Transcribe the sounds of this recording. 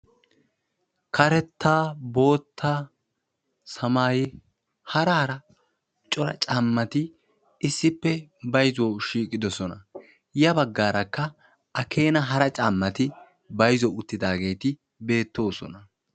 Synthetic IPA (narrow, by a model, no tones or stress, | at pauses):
kɐɾɛt̪ːaːbo̞ːt̪ʰːa | sɐmaːjɛ | hɐɾɐhɐɾɐ | t͡ʃʼɔɾɐ̰t͡ʃʼɐmːɐt̪ɪː | sːɪpːɛbɐjzwoʃiːkʼːɪd̪ɔsɔnɐ | jɐbɐɡːaːɾɐkːɐ | ɐkʰe̞ːnɐɦɐɾɐt͡ʃʼaːmːɐt̪ɪ | bɐjzɔʊt̪ːɪd̪aːɡe̞ːt̪ɪ | be̞ːt̪ːo̞ːsɔ̰nɐ